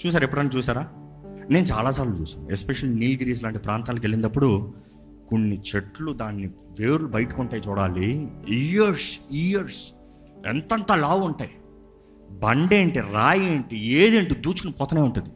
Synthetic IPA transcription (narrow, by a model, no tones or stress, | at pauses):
t͡ʃuːs̬aːɾepːuɽɐnːit͡ʃuːsaːɾaːne̞ːnut͡ʃa̰ːlaːs̬aːɾlut͡ʃuːsaːnuespeʃɐlniːlɡɾiːs̬laːɳʈipɾaːnt̪aːlokelːind̪ɐpːuɽu | konːit͡ʃeʈlud̪aːnːi | d̪e̞ːɾulubɐjʈukuɳʈaːjt͡ʃuːɽaːliijɐɾsijɐɾs | ɛ̰nt̪ɐnt̪aːlaːʋuɳʈaːji | bɐɳɖeːɳʈiɾaːjeːɳʈieːd̪eɳʈud̪uːt͡ʃukunɐpɔt̪ɐneːuɳʈund̪i